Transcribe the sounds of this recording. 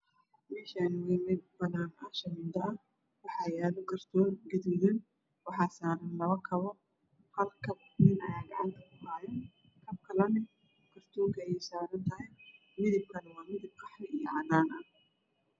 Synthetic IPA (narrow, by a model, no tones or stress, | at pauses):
mɛːʃanwimɪdbɐðanɐʃɐmɪnd̪ɐɐ | wɑħɑjaːðʊkʰɐrt̪ʰɔːɡɛd̪wɪðɪn | wɑħɑːsaːɾɐnlɐβɐkʰɐβɔ | hɐlkʰɐbnɪnɐjaːɡɑʕɑnt̪ʰɐkʰʊhaːjɐn | kʰɐb̚kʰɐlɐnɛ | kʰɐrt̪ʰɔːkʰɐjɛjsaːɾɐnt̪ʰɐɦɛj | mɪðɪb̚kʰɐlɛwɑːmɪðɪb̚qʰɑħɾɪijɔʕɑnaːnɐ